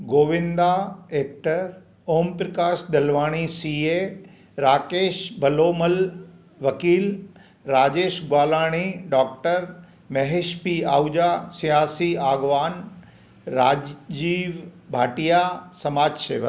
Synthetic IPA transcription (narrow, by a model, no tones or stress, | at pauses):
ɡoːʋɪ̃nd̪aeːk̚ʈəɾ | oːmpɾɐkaːʃd̪ɐlʋaːɽ̃isiːe | ɾaːkeːʃbʱɐloːməl | ʋɐkiːl | ɾaːd͡ʑeːʃɡwaːlaːɽ̃iɖɔːk̚ʈəɾ | mɐɦeʃpia̰ːud͡ʒasijaːsiaːɡʋaːn | ɾaːd͡ʑd͡ʑiːʋbʱaːʈijasɐmaːd͡ʒsḛːʋə̰